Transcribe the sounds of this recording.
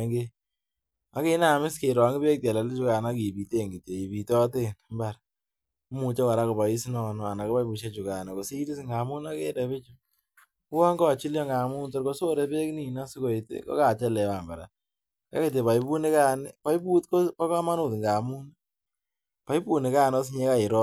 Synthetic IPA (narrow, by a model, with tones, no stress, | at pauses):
ŋɡe˦ | a˦ke˦na˨mɪ˦ske˨ɾɔ˨ŋɪ˦pe˦k̚ta˨la˨lɪ˦t͡ʃu˦ka˨na˦ki˨pi˨te˦˨ŋɡi˨tje˨i˨pi˨tɔ˦te˦nmba˨ɾ | u˦mu˨t͡ʃe˦wa˨ɾa˦ko˨pa˨i˦snɔ˨nɔ˨a˨na˨ko˦pa˦jbu˨ʃe˦t͡ʃu˨ka˨ne˨ko˨si˦li˦sŋɡa˨mu˦na˦kḛ˦tɛ˨βɪ˦t͡ʃu | ku˦wɔ˦ŋɡɔ˦t͡ʃi˦ljɔ˦ŋɡa˨mu˦nto˦ɾko˦so˦ɾɛ˨pe˦kni˨na˦si˦ko˨i˨tḛ˦kɔ̰˦ka˨t͡ʃɛ˦lɛ˨wa˨mba˨ɾa̰˨ | ka̰˦ki˨t̬e˨pa˨ipu˦nɪ˦kaː˦˨nɪ˦pa˦i˦pu˦tko˦pa˦ka˦ma˦nu˨tŋɡa˨mu˦n | pa˨i˦pu˦˨nɪ˨kaː˦no˦s̬ɲe˦ka˦˨i˨ɾɔ˦